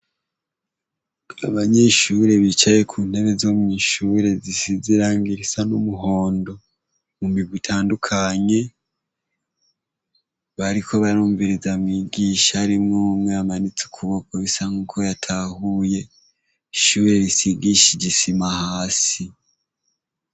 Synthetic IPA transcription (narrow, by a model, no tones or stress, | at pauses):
aβaɲe̞ʃuɾe̞βit͡ʃaje̞kʰuːn̥e̞βezoːmŋiːʃuɾe̞zisiziɾaŋɡiɾisanumuɦo̞ːndo̞ | mumiɡwitʰaːndukʰaɲe̞ | βaɾiko̞βaɾuːɱviɾizamŋiːɡiːʃaɾimŋumŋeamanit͡su̥kʰuβokoβisaŋ̥uːkʰo̞jatʰahuje̞ | ʃuːɾe̞βisiɡiʃiɟisimahaːsi